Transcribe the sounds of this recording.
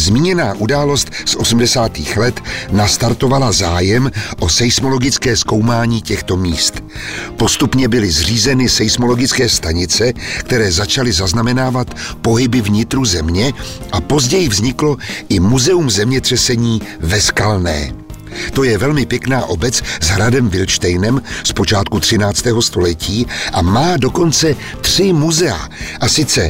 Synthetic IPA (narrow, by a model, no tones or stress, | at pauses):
zmiːɲɛnaːʔudaːlo̞st̪sʔo̞sm̩dɛsaːt̪iːxlɛt̪nast̪aɾt̪o̞valazaːjɛmʔo̞sɛjsmo̞lo̞ɡɪt͡skɛːsko̞wmaːɲiːcɛxt̪o̞miːst̪ | po̞st̪upɲɛbɪlɪzr̝iːzɛnɪsɛjsmo̞lo̞ɡɪt͡skɛːst̪aɲɪt͡sɛkt̪ɛɾɛːzat͡ʃalɪzaznamɛnaːvat̪po̞ɦɪbɪvɲɪt̪ɾuzɛmɲɛʔapo̞zɟɛjɪvzɲɪklo̞ʔɪmuzɛumzɛmɲɛt̪r̥ɛsɛɲiːvɛskalnɛ̰ː | t̪o̞jɛvɛlmɪpjɛknaːʔo̞bɛt͡szɦɾadɛmvɪlʃt̪ɛjnɛmspo̞t͡ʃaːt̪̚kut̪r̝̥ɪnaːt͡st̪ɛːɦo̞st̪o̞lɛciːʔamaːdo̞ko̞nt͡sɛ | t̪r̝̥ɪmuzɛa̰ʔasɪt͡sɛ